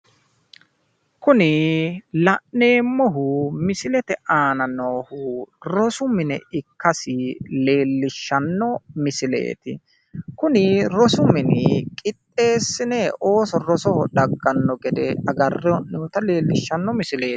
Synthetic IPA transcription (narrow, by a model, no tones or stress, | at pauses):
kʊnɪlɐʔne̞ːmːɔɦʊmɪsɪlɛt̪ɛʔaːnɐnoːhʊɾɔsʊmɪnɛ̰ɪkːɐsɪle̞ːlːɪʃːɐnːɔmɪsɪlḛːt̪ɪ | kʊnɪɾɔsʊmɪnɪkʼɪt̪ʼːe̞ːsːɪnɛo̞ːsɔɾɔsɔhɔɗɐɡːɐnːɔɡɛd̪ɛ̰ɐɡɐrːɛʔnɛt̪ɐleːlːɪʃːɐnːɔmɪsɪleː